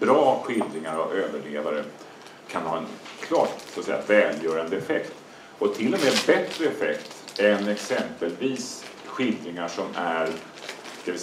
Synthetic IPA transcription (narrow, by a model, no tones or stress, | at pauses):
bɾɑːɧɪld̪ɾɪŋaɾavøːvəɭeːvaɾə | kʰanhɑ̰ːɛnkʰlɑːʈsat̪sɛ̰jːavɛːljœːɾand̪əɛfɛkt̪ | ɔt̪ʰɪlːɔmeːbɛt̪ɾəɛfɛkt̪ɛnɛksɛmpəlviːs | ɧɪld̪ɾɪŋaʂɔmæɾ | d̪̥ɛvɪ